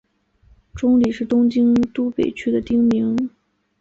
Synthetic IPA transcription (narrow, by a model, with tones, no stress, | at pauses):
ʈ͡ʂʊ˥ŋli˨˩ʂɻ̩˥˩t̪ʊ˥ŋt͡ɕi˥ŋt̪u˥pe˨˩ɪt͡ɕʰy˥d̪ə˨t̪i˥ŋmi˧˥ŋ